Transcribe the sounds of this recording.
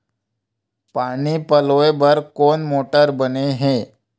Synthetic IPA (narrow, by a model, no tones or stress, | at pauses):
paɽ̃iːpəloebəɾkoɳmoʈəɾbəneɦe